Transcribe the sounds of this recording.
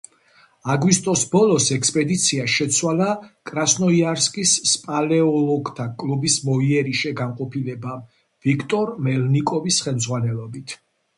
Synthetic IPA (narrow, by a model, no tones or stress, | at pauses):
aɡwist̪ʼɔsbɔlˠɔsɛkspʼɛd̪it̪sʰiaʃɛt̪sʰwalakʼɾasnɔiaɾskʼisːpʼalɛɔlɔɡt̪ʰakʼlubismɔiɛɾiʃɛɡanqʼɔpʰilɛba | v̥ikʰt̪ʼɔɾmɛlnikʼɔvisχɛlmd̪zʁwanɛlɔbit̪ʰ